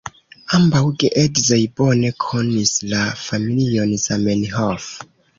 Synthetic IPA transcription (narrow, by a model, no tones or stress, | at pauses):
ambawɡeʔedzojbo̞ne̞kʰonislafamilionzamenɦof